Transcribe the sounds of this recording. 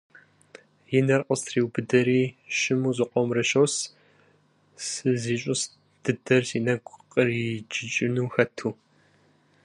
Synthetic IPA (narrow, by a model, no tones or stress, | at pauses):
jɪnɐrqʼəstʰriːwbɨdɐɾiːʃɪmuːzɨqʷʼɔmrɐʃɐws | sɨziːɕʼʊs | d̥ɨdɐrsiːnɐɡʷʼqʼərid͡ʒɪt͡ʃʼɪnuːxɐtʰuː